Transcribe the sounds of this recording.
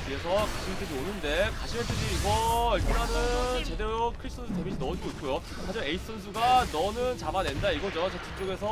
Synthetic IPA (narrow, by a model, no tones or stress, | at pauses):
pʰie̞sʰʌkaɕʰimet͈ʰɯd͡ʑionɯnde̞kaɕʰimet͈ɯd͡ʑiːɡʌiɭpʰiɾɦanɯt͡ɕe̞de̞ɾokʰɯɾis͈ʰʌnsʰutemiɕʰinʌoik͈ʰojo | had͡ʑimae̞itʰsʰʌns̬ʰuɡanʌnɯnt͡ɕabane̞ndaiɡʌd͡ʑot͡ɕet͡ɕʰik̚t͡ɕ͈oɡe̞s̬ʰʌ